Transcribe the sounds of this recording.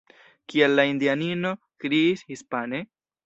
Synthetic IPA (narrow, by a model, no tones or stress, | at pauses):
kielːaindianino̞ | kɾiishispane